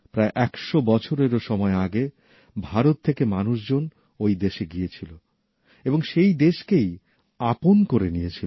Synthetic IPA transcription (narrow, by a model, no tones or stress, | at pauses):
pɾaeʔɛkʃobɔt͡ɕʰoɾeɾoʃɔmɔeaɡe | bʱaɾot̪ʰːekemanuʃd͡ʑon | ojd̪eʃeɡijet͡ɕʰilo | eboŋʃejd̪eʃkej | aponkoɾenijet͡ɕʰil